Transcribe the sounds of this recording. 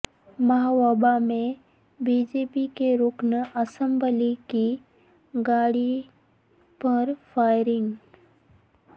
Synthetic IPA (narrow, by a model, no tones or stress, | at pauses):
mɐɦawabamẽ | biːd͡ʒepikeɾʊknəɐsə̃mbəliki | ɡaːɽi | pɐɾfaːɪɾɪŋɡ